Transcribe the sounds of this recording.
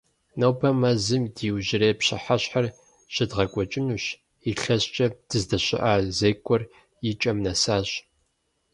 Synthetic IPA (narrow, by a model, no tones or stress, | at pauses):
nɐwbʰɐmɐzɨmdiːwʑɪɾeːpɕɪħaɕħar | ɕɪdʁɐkʷʼɔt͡ʃʼɪnuːɕ | iɬɐɕt͡ʃʼɐd̥ɨzdɐɕɪ̰ʔaːzejkʷʰʼɔr | jɪt͡ʃʼɐmnɐsaːɕ